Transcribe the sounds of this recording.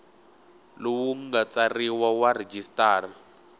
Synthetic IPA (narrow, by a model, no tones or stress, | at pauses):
lʊwuŋ̩ɡat͡sariwawared͡ʒistaːra